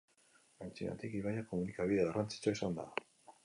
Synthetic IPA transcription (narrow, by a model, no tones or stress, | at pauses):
ajnt͡sina̰t̪ikiβajakomunikaβiðearʔant͡si̥t͡saisand̪a̰